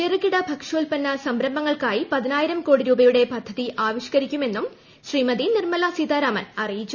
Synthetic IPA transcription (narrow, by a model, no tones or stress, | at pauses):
erɨkːiɽɐbʱɐkʂuːlpɐnːɐsɐmbɾɐmbɐŋːɐɭkaːjipɐðinaːjiɾɐmko̞ːɽiɾuːbɐjuɽe̞pɐd̪ʱːɐðiʔaːʋiɕɐ̥kɐɾikʲːume̞nːum | ɕriːmɐðinirmɐlasid̪aːɾamɐnɐrijit͡ɕːu